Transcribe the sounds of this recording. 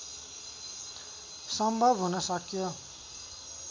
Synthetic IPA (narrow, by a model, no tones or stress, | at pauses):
sʌmbʱʌbʱɦunʌsʌkjo